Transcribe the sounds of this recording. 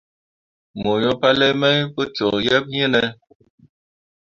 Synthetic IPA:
mo˨jɔ˦pa˦lɛ˦mɛ˦jpə˦t͡ʃɔ˨jɛ˦p̚ɲə˦nɛ˦

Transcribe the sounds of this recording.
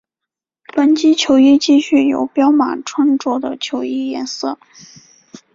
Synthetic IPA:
pə˨˧˥nt͡ɕi˥t͡ɕʰjo˧˥ʊi˥˧t͡ɕi˥˧ɕy˥˩jo̰˨˩ʊpjɑ˥ʊma̰˨˩nʈ͡ʂʰwa˥nʈ͡ʂwɔ˥d̪ə̰˨t͡ɕʰjo˧˥ʊi˥˩jɛ˧˥nsɤ˥˩

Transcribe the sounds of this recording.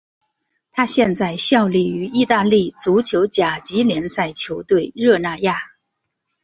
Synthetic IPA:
t̪ʰa˥ɕjɛ˥˧nt͡sa˥˩ɪɕjɑ˥˧ʊli˥˩y˧˥i˥˧t̪a˥˧li˥˩t͡su˧˥t͡ɕʰjo˧˥ʊt͡ɕja˨˩t͡ɕi˧˥ljɛ˧˥nsa˥˩ɪt͡ɕʰjo˧˥ʊt̪we˥˩ɪɻɤ˥˧na˥˧ja˥˩

